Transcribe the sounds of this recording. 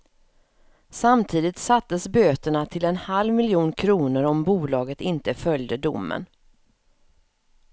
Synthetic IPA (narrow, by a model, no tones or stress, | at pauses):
samt̪ʰiːd̪ɪt̪sat̪ːəsbøːt̪əɳat̪ʰɪlɛnhalvmɪljuːnkʰɾuːnəɾɔmbuːlɑːɡət̪ɪnt̪əfœljd̪əd̪ʊ̰mːə̰n